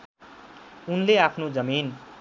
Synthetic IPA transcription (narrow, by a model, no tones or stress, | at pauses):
unleapʰnod͡zʌmin